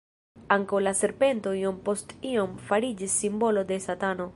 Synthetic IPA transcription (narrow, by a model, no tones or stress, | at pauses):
aŋkawlase̞ɾpe̞nto̞iompo̞stio̞mfaɾid͡ʒisːimbo̞lo̞d̪e̞satano̞